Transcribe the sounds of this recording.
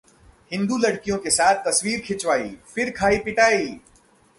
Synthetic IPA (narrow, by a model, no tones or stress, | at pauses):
hɪ̃nd̪uːlɐɽkijõkesaːt̪̚ʰt̪ɐswiːɾkʰɪt͡ʃʋaːḭːfʰɪɾkʰaːipɪʈaːiː